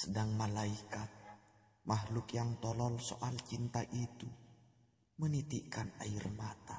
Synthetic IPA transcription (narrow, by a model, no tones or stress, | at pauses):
sədaŋmalaikat̪̚ | mahlʊkjaŋt̪ɔlɔlso̰ʔalt͡ʃint̪aʔit̪u | mənit̪iʔkana̰irmat̪a